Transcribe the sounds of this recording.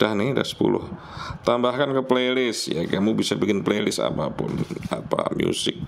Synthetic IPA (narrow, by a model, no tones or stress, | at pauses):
d̥ahnɪhda̰hsə̥pulʊh | t̪ambahkankəplelɪsja̰kəmubisabikɪnplelɪsa̰papʊnapamjusɪk̚